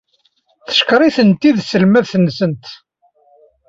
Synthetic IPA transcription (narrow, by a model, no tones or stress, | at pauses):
θə̥ʃkɾˤiθənt̪iðsəlmæðθənːsənt̪